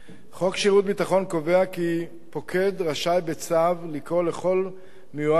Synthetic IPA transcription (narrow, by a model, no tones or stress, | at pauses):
χo̞kʃiʁut̪̚bit̪aχo̞nko̞veaki | po̞kʰe̞d̪ʁaʃajbet͡savlikʁo̞leχo̞l | mejua